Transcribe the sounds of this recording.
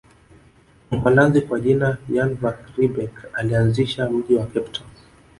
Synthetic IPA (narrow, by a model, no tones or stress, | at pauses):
m̩falanzikwaʄinajanvakɾibɛkalianziʃauʄiwakɛptʰɔ